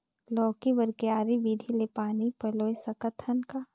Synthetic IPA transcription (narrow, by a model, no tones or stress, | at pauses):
lɔːkibəɾkeaːɾibiːd̪ʱilepaːnipɐloːesɐkət̪ʰːənkaː